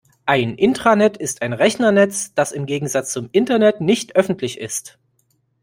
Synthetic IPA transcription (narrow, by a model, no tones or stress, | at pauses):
ʔaɪnʔɪntʁ̥anɛtɪstaɪnʁɛçnɐnɛt͡sd̥asɪmɡeːɡŋ̩zat͡st͡sʊmʔɪntɐnɛtnɪçtʔœfn̩tʰlɪçɪ̰st